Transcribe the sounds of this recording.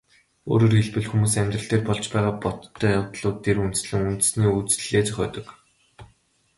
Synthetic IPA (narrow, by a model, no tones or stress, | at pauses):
o̰ːɾoːrxeɮpɘ̆ɮxumuːs̬æmʲt̪rə̆ɬt̪eːrpɔɮt͡ɕpæːʁaːpɔt̪ʰːœːjawt̪ɮʊːt̪ʰːerunt̪̆sɮɘ̆ŋunt̪ɘ̆sniːut͡sɮeːt͡sœxʲɔ̰ːt̪ɞ̆k